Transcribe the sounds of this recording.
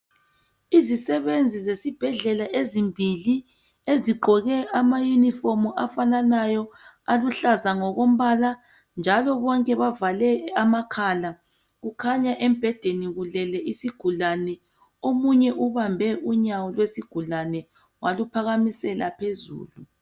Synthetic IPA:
izisɛβend͡zʱizesib̥ʱɛɮɛlaʔezimbʱili | eziɡ͡ǃʱɔɣɛʔamajunifɔmuʔafananajɔ | aluɬazaŋɔɣom̩βala | nd͡ʒʱalɔβɔŋkʼɛβavalɛamakʰala | ɣukʰaɲaʔem̩b̥ʱɛd̥ʱeniɣulɛlɛʔisiɡ̥ʱulanɛ | omuɲɛʔuβambʱɛʔuɲawɔlwesiɡ̥ʱulanɛ | walupʰaɣamisɛlapʰezṵːlu

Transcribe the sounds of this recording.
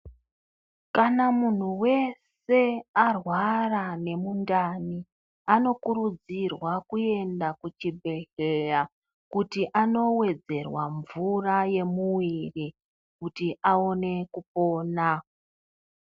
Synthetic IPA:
kanamun̤uwe̞s | e̞arwarane̞mundani | ano̞kuɾud͡zirwakue̞ndakut͡ʃibʱe̞ɬeja | kutiʔano̞we̞d͡ze̞rwa̰ɱvuraje̞muwiri | kutiʔao̞ne̞kupo̞ːna

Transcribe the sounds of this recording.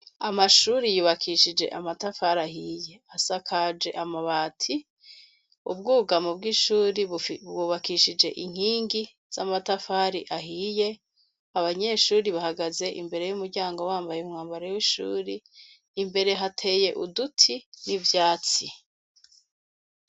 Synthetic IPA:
amaʃuːɾijuːβakʰiʃid͡ʒe̞̰ʔamatafaɾahije̞asakʰad͡ʒe̞̰ʔamaβaːtʰi | ṵb̚ɡuːɡamubɡiʃuːɾibwuːβakiʃid͡ʒe̞̰ʔiŋ̥hiːŋɡi | z̥amatafaɾiʔaɦiːje̞ | aβaɲe̞ʃuːɾiβahaɡaze̞ʔḭmbe̞ɾe̞jumuɾɟaːŋɡo̞waːmbajeumŋaːmbaɾejwiʃṵːɾiː | mbe̞ɾe̞ɦatʰe̞je̞ʔudutʰinivjaːt͡si

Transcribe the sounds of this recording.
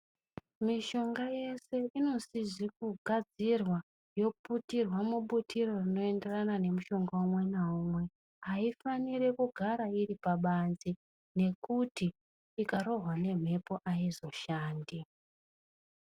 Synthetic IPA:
miʃo̞ŋɡaje̞se̞ʔino̞siʐikuɡʱad͡zirwa | jo̞putirwamuɓutiɾo̞rino̞e̞nde̞ranane̞muʃo̞ŋɡaumwe̞naumwe̞ | aifaniɾe̞kuɡʱaɾaiɾipaɓanzi | ne̞kutiː | kaɾo̞ɦwane̞m̤e̞po̞ʔaizo̞ʃaːndi

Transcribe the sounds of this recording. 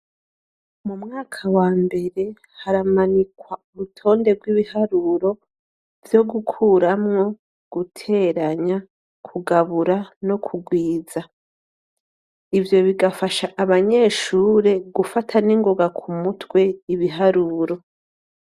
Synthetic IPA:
mumŋaːkʰawaːmbe̞ɾe̞ | haɾamanikwauɾutʰo̞ːnde̞ɡwiβihaɾuɾo̞ | vjo̞ɡukʰuːɾamŋo̞ | ɡ̥utʰe̞ɾaɲa | kʰuɡaβuɾano̞kʰuɡwiːza | ivjo̞βiɡafaʃaʔaβaɲe̞ːʃuːɾe̞ɡufatʰaniŋɡoɡakʰumutwe̞iβiɦaɾuːɾo̞

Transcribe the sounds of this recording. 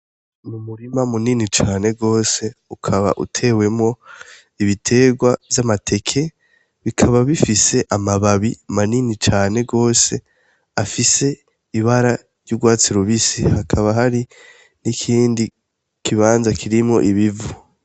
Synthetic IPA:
mumuɾimamuninit͡ʃaːne̞ɡo̞ːse̞ukʰaβa̰ʔṵtʰe̞ːwe̞mŋo̞ | iβitʰe̞ːɡwavjamatʰe̞kʰe̞ | βikʰaβaβifise̞ʔamaβaβimaninit͡ʃaːne̞ɡo̞ːse̞ | afise̞ | iβaɾa | ɾɟuɡwaːt͡siɾuβisihakʰaβaɦaɾi | nikʰiːndi | kʰiβaːnzakʰiɾimŋo̞ʔiβivu

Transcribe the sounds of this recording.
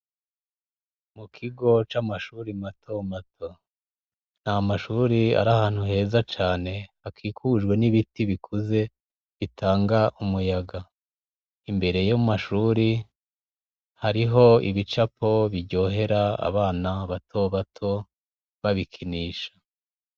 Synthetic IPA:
mukʰiɡo̞t͡ʃaːmaʃuːɾimatʰo̞matʰo | n̥hamaʃuːɾia̰ɾahaːn̥huɦe̞ːzat͡ʃaːne̞hakʰiːkʰuːʒɡwe̞niβitiβikʰuze̞ | βitʰaːŋɡaʔumujaɡa | imbe̞ɾe̞jomaʃuːɾi | haɾiɦo̞iβit͡ʃapo̞βiɾɟo̞ːɦe̞ɾaa̰βaːnaβatʰoβatʰo̞ | βaβikʰiniːʃḁ

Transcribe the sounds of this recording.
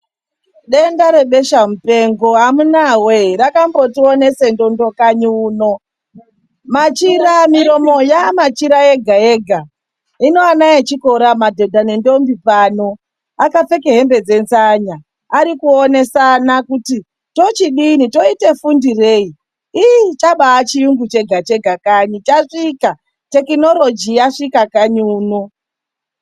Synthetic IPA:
ɗe̞ndaɾe̞ɓe̞ʃamupe̞ŋɡo̞amunaweɾakambo̞tione̞se̞ndo̞ndo̞kaɲuːno̞ | mat͡ʃiɾamiɾo̞mo̞jamat͡ʃiɾaeɡʱae̞ɡʱa | ino̞anaet͡ʃikoɾamadʱe̞dʱanendombipano̞ | akafe̞ke̞ɦe̞mbe̞d͡ze̞nzaɲa | aɾikuone̞sanakuti | to̞t͡ʃiɗinito̞ite̞fundire̞i | iit͡ʃaɓaːt͡ʃijuŋɡut͡ʃe̞ɡʱat͡ʃe̞ɡʱakaɲit͡ʃaʂika | te̞kino̞lo̞d͡ʒijaʂikakaɲuːno

